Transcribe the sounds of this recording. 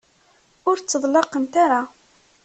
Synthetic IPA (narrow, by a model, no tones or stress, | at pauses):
ʊɾt͡sːəðˤlɑqənt̪aɾa